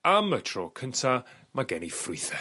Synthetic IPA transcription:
amətʰroːkʰəntʰa | maɡɛnifrʊɨθɛ

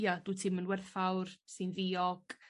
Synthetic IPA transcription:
jad̥uːtʰɪmənwɛrfawrsɪnðiːɔɡ̥

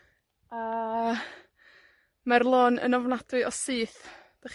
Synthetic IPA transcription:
a | marlˠoːnə̰nɔvnad̥ɨɔsɨːθd̥aχ

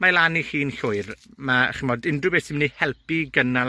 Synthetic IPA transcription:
malanihiːnɬʊɨrma̰χɪmɔdɪndrʊbesɪmnihɛlˠpiɡəna

